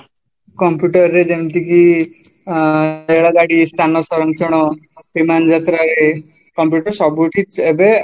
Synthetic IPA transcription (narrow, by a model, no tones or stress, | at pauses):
kɔmpjuʈɔɾːed͡ʒemt̪iki | eɽaɡaɽist̪ʰanɔsɔɾɔnt̪ʰiɽ̃ɔ | bimand͡ʒat̪ɾaɾe | kɔmpjuʈɔɾsɔbuʈʰit̪ebe